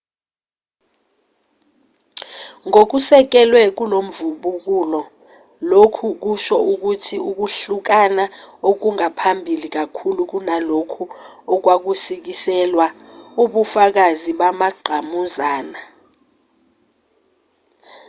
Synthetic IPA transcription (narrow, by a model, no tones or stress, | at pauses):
ŋok̬usɛk̬ɛlwɛk̬ulom̩vuɓuk̬ulɔ | lokʰuk̬uʃɔuk̬utʰiuk̬uɬuk̬anaok̬uŋapʰambʱilik̬akʰuluk̬unalokʰu | ɔk̬wak̬usik̬isɛlwa | uɓufak̬aziɓamaɡ͡ǃʱamuzaːna